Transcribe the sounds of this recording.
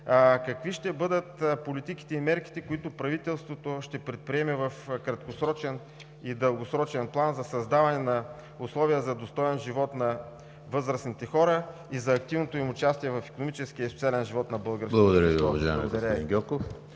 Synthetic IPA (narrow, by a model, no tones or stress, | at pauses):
kɐkviʃt̪ɛbɤd̪ət̪polit̪iki̥t̪ɛimɛɾki̥t̪ɛkoit̪ʊpɾɐvit̪ɛlˠst̪vot̪oʃt̪ɛpɾɛt̪̚pɾiɛmɛvɐfkɾɐt̪kosɾɔt͡ʃɛn | id̪əlˠɡosɾɔt͡ʃɛnplˠanzɐsɐzd̪avɐnɛnɐ | ʊslˠɔviəzɐd̪ost̪ɔɛnʒivɔt̪nɐ | vɤzɾəsnit̪ɛxɔɾə | izɐːk̚t̪ivnot̪oimʊt͡ʃast̪iɛvɐfi̥konomit͡ʃɛsk̟iəisot̪ialɛnʒivɔt̪nɐbɤlˠɡəɾsblˠɐɡod̪ɐɾʲjəviʊɐvɐʒa̰j̰mɛ̰ɡod̪ɐɾəḭ̃nɡʲɔkof